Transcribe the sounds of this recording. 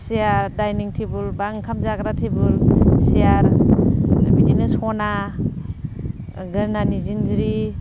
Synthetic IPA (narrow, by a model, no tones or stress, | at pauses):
sijaɾdajniŋtʰebɯlbaŋkʰamzakɾatʰebɯlsijaɾ | bidinɯsɔna | ɡɯnanizinzɾi